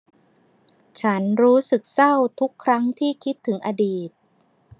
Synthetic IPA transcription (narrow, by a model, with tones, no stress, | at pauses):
t͡ɕʰa˦˥nɾuː˦˥sɯ˨˩k̚sa˥˩wt̪ʰu˦˥kʰːɾa˦˥ŋt̪ʰiː˥˩kʰi˦˥t̪ʰːɯ˩˦ŋʔa˧diː˨˩t̪̚